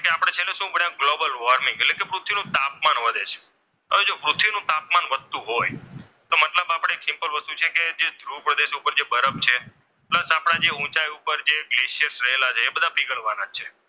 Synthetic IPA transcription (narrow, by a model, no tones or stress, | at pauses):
keapɽ̃et͡ʃʰeleʃũpəɳjãɡlobəlʋɔɾmĩŋɡetlekepɾut̪ʰʋinũt̪ap̚manʋəd̪ʱet͡ʃʰe̥ | əʋed͡ʒopɾʊt̪ʰːʋinũt̪ap̚manʋəd̪̚t̪ũɦoj | t̪omət̪ləbapəɽ̃eksɪ̃mpəlʋəst̪ut͡ʃʰeked͡ʒed̪ʱɾupɾəd̪eʃupəɾd͡ʒebəɾəp̚t͡ʃʰe | pləsapɽ̃ad͡ʒeũt͡ʃajupəɾd͡ʒeɡleʃiəsɾəɦelat͡ʃʰeːbəd̪ʱapiɡəɭʋanad͡ʒt͡ʃʰe